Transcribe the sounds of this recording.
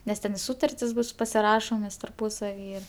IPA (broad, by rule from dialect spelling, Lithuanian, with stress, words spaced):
nʲɛs ˈtʲɛn ɪ ˈsuːtɐrʲtʲɪs bʊs pɐsʲɪˈrɑːʃoːmʲeːs tɐrˈpuːsɐʋʲiː